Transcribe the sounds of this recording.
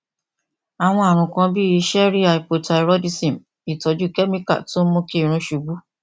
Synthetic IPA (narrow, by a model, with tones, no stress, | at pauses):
a˨w̃ɔ̃˧a˨ɾ̃ũ˨kã˧bi˦i˧˦ʃɛ˦ɾi˦a˨i˨po˧ta˧i˧ɾɔ˦di˧sĩ˨m | i˨tɔ˨˦d͡ʒu˦kɛ˦mĩ˦ka̰˦˨to˦mõ˦ki˦˨ɾ̃ũ˧ʃu˧ɡ͡bu˦